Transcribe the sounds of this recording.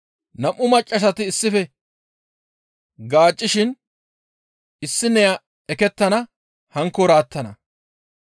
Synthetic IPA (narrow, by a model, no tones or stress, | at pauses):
nɐmʔːʊmɐt͡ʃʼːɐʃ̬ɐt̪ɪːsːɪfɛ | ɡaːt͡ʃʼːɪʃɪn | ɪsːɪnɛjɐ | ɛkɛt̪ːɐnɐ | hɐŋkːɔɾaːt̪ːɐnɐ̰